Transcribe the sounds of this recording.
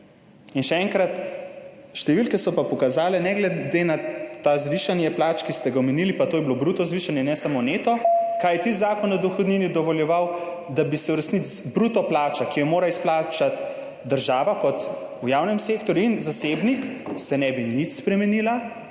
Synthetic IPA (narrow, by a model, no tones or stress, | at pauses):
inʃɛɛːŋkɾat̪ | ʃt̪ɛʋilkɛsɔpapɔkazaːlɛnɛɡlɛd̪enat̪azʋiʃanjɛplaːt͡ʃkist̪ɛɡawmɛnilipat̪oːjɛblobɾuːt̪ɔzʋiʃanjɛnɛsamoneːt̪ɔkajɛt̪izaːkɔnɔd̪ɔxɔd̪niːnid̪ɔʋɔljɛʋaw | d̪abisɛuɾɛsnit͡s̪bɾuːt̪ɔplaːt͡ʃakijɔmoːɾaisplaːt͡ʃat̪ | d̪əɾʒaːʋakɔt̪ | ujaːwnɛmseːkt̪ɔɾjuinzaseːbniksɛnɛbinit̪spɾɛmɛniːla